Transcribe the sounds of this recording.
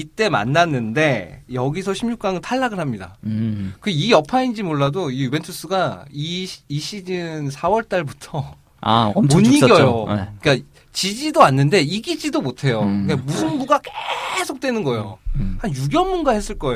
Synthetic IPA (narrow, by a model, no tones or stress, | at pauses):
it͈e̞ma̰nːanːɯnde̞jʌɡis̬ʰʌɕʰimɲuk͈aŋɯɭtʰaɭːaɡɯɭɦamɲida̰kɯijʌpʰaind͡ʑimoɭːadoijube̞ntʰɯs͈ɯɡaiːɕʰid͡ʑinsʰawʌɭt͈aɭbutʰʌ | amoɲːiɡjʌjoeik͈a | t͡ɕid͡ʑidoanːɯnde̞iɡid͡ʑidomotʰe̞jokamusʰɯnbuɡakesʰok̚t͈wenɯnɡʌejohanjuɡjʌmːunɡahes͈ɯɭk͈ʌe